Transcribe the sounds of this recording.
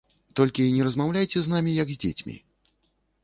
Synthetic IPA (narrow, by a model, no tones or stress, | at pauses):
t̪ɔlʲkʲiːnʲɛɾɐzmawlʲajt͡sʲɛznamʲijɐɡzʲd͡zʲḛt͡sʲmʲḭ